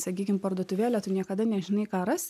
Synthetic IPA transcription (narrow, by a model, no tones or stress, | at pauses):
sɐkʲiːkʲɪmpɐrd̪uɔt̪ʊʋʲeːlʲɛt̪ʊnʲiɛkɐd̪ɐnʲɛʒʲɪnɐɪkɑːɾɐs